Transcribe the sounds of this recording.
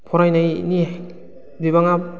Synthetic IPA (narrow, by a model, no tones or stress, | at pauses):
pʰɔɾajnajni | biβaŋa